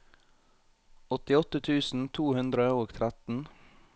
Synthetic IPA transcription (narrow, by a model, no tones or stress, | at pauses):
ɔt̪ɪɔt̪ət̪ʰʉːsn̩t̪ʰuːhʉnd̪ɾəoːɡt̪ʰɾæt̪n̩